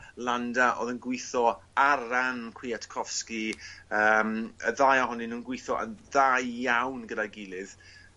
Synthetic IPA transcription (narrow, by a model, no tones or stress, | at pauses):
lˠandaʔo̰ːðənɡwɪθɔaɾankʰw̥iːatʰkʰɔfskiəməðajaɦɔninuːnɡwɪθɔʔə̰nðajjawnɡədaɡɪlˠɪð